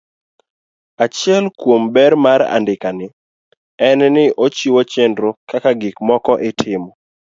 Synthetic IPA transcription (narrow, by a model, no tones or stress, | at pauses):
at͡ʃɪɛlkwombɛɾmaɾa̰ndɪkanɪ | ɛnɛnɪʔot͡ʃiwot͡ʃendɾokakaɡɪkmɔkɔʔɪtʰɪmɔ